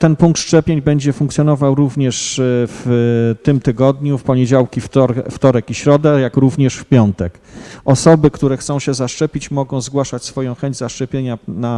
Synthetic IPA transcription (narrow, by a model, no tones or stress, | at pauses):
t̪ɛnpuŋkt̪ʂt͡ʂɛpʲjeɲbɛɲd͡ʑɛfuŋkt̪ʲjɔn̪ɔvawɾuvɲɛʂft̪ɘmt̪ɘɡɔd̪ɲufpɔɲɛd͡ʑawkʲifɾft̪ɔɾɛkiɕɾɔd̪ɛjakɾuvɲɛʂfpʲjɔnt̪ɛk | ɔsɔbɘkt̪uɾɛxt̪sɔ̃w̃ɕɛzaʂt͡ʂɛpʲit͡ɕmɔɡɔ̃w̃zɡwaʂat͡ɕsfɔjɔ̃w̃xɛɲd͡ʑzaʂt͡ʂɛpʲjeɲana